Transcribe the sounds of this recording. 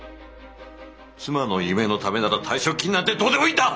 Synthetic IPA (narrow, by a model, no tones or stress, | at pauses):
t͡sɨmano̞jime̞no̞t̪ame̞naɾat̪ʰaiɕokʲːiɲ̟inat̪ːe̞d̪o̞ːt̪e̞mo̞it̪ːa